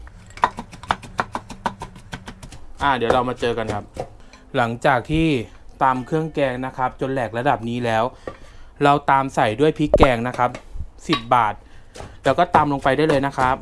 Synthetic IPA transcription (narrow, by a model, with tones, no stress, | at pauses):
ʔaː˧˩di˨˩˦wɾa˧wmaː˧t͡ɕɤː˧ka˧nkʰa˦˥p̚ | la˩˦ŋt͡ɕaː˨˩k̚t̪ʰiː˥˩ | t̪aː˧mkʰɯ˥˩əŋkɛː˧ŋna˦˥kʰa˦˥p̚t͡ɕo˧nlɛː˨˩k̚la˧da˨˩p̚niː˦˥lɛː˦˥w | ɾa˧wt̪aː˧msa˨˩jdu˥˩əjpʰi˦˥kɛː˧ŋna˦˥kʰa˦˥p̚si˨˩p̚baː˨˩t̪̚lɛː˦˥wkɔː˥˩t̪aː˧mlo˧ŋpa˧jdaː˥˩lɤː˧jna˦˥kʰa˦˥p̚